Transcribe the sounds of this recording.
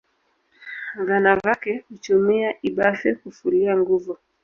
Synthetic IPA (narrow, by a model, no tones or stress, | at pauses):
ɡanavakɛhut͡ʃumiaʔiɓafɛkufuliaŋɡuvu